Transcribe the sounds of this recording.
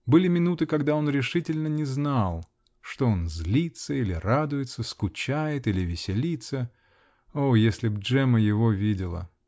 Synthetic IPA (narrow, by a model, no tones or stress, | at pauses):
bɨlʲɪmʲɪnut̪ɨkɐɡd̪ao̞nɾʲɪʂɨtʲɪlʲnənʲɪznalˠ | ʂt̪oonzʲlʲit̪səilʲɪrad̪ʊjɪt̪səskʊt͡ɕæjɪt̪ilʲɪvʲɪsʲɪlʲit̪sə | ojesʲlʲɪbʐɛməjɪvo̞vʲidʲɪlˠə̰